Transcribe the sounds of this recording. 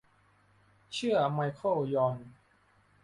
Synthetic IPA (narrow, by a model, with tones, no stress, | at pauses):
t͡ɕʰɯ˥˩ɐma˧jkʰo˥˩jɔː˧n